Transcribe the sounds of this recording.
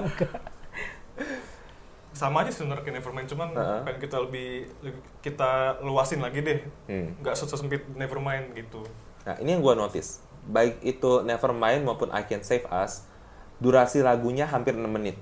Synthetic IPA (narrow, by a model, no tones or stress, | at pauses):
ka | samad͡ʒasdəŋəɾkinefərmaɪnt͡ʃumanəʔəankit̪aləbɪhlə | kit̪aluasɪnlaɡidɛhm̩ŋɡaʔsəsəsəmpɪt̪̚nefərmaɪnɡit̪una̰hḭnijaŋɡuanot̪ɪ̰s | baɪk̚it̪unefərmaɪnmaupʊnʔa̰jkɛnsefa̰s | duɾasilaɡuɲaɦampɪrənamːənɪt̪̚